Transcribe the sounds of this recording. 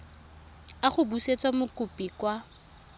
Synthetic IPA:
aχʊbuset͡sʼwamʊkʼʊpʼikwa

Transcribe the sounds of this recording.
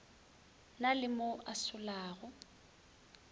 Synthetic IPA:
nalɪmʊʔasʊlaːɣʊ

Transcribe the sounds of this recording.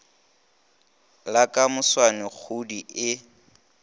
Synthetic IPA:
lakʼamʊswanɪk͡xʰudiʔɪ

